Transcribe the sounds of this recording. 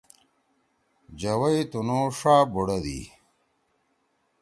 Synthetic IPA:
d͡ʑɐwɐjt̪unoːʂaːboɽɐd̪ḭ

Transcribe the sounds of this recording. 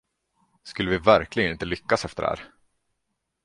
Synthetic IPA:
skɵlːəvɪvæɾklɪɡənɪnt̪əlʏkːasɛft̪ə̰ɾhæ̰ːɾ

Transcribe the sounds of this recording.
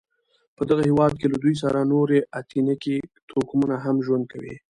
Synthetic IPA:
pəd̪aɣahewɑd̪̚kelad̪ujs̬aɾanoɾeat̪ʰinakit̪ʰokmunaɦamʒwand̪̚kawḭ

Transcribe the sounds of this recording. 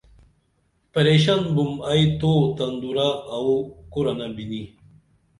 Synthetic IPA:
pɐɾeːɕanbumajt̪ot̪ɐnd̪uɾaːukuɾɐnabini

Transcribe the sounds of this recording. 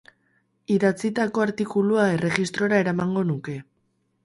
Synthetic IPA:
iðat͡sit̪ako̞aɾt̪ikuluae̞re̞ɣist̪ɾo̞ɾae̞ɾamaŋɡo̞nuke̞

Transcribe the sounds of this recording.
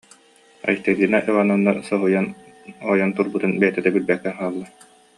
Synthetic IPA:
a̰jt̪ɛɡiːnɛʔɯʁananːaɾsɔɦujan | ɔːjɔnt̪uɾbut̪ɯnbɛjɛt̪ɛd̪ɛbiɾbɛkːɛnhaːlˠːa

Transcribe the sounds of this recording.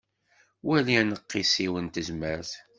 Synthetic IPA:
wæliænəqːisiwənt̪əzmæɾθ

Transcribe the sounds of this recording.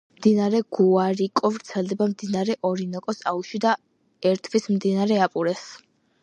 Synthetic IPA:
md̪inaɾɛɡ̥uaɾikʼɔvɾt̪sʰɛlˠd̪ɛbamd̪inaɾɛʔɔɾinɔkʼɔsauʃid̪a | ɛɾt̪ʰvismd̪inaɾɛapʼuɾɛs

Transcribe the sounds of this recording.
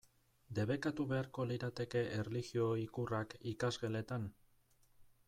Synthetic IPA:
d̪e̞βe̞kat̪uβe̞aɾko̞liɾat̪e̞ke̞ʔereliɣio̞ikurakikazɣe̞le̞t̪an

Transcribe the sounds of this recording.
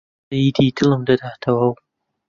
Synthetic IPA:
id̪iːtɨlɨmd̪ɐd̪at̪ʰɐwaw

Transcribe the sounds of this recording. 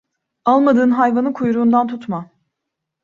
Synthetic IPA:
alˠmad̪ɯːnɦajvanɯkʰujɾuːnd̪ant̪ʰut̪ma

